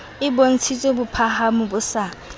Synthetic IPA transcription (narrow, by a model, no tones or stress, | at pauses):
ɪbon̩t͡sʰit͡sʼobʊpʰahamʊbʊsa